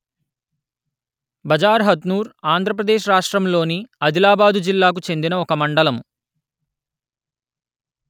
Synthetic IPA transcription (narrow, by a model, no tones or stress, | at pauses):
bɐd͡ʒaːɾɦɐd̪nuːɾaːnd̪ʱɾɐp̬ɾɐd̪eːʃɾaːʂʈɾɐmlo̞ːniɐd̪ilaːbaːd̪ud͡ʒilːaːk̬ut͡ʃe̞nd̪inɐɔkɐmɐɳɖɐlɐm